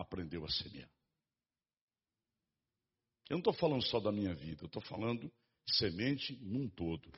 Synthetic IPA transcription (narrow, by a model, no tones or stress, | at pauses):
apɾẽnd̪ewɐsemḭa̰ɾ | enɐ̃t̪ofalɐ̃nd̪ʊsɔd̪ɐmĩɲɐvḭd̪ɐewt̪ofa̰lɐ̃nd̪ʊ | semẽnt͡ʃɪnũt̪od̪ʊ